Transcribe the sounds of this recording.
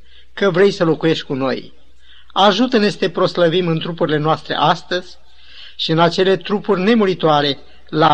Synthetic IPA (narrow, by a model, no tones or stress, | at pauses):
kəvɾe̞jsəlo̞kuje̞ʃt̪̚ʲkuno̞̰j | aʒut̪əne̞sə̥t̪e̞pɾo̞sləvimɨnt̪ɾupuɾile̞noast̪ɾe̞̰ʔast̪əzʲ | ʃiɨnat͡ʃe̞le̞t̪ɾupurʲne̞muɾit̪oaɾe̞ | la